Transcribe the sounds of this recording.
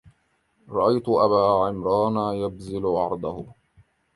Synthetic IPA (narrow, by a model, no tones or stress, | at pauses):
ɾˤɑʔajt̪ʊʔabaːʕɪmɾɑːnajabzɪlʊʕɑɾˤd̪ˤɑhʊ